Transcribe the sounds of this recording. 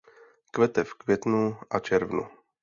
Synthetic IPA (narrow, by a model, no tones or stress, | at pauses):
kvɛt̪ɛfkvjɛt̪nuʔat͡ʃɛɾvnṵ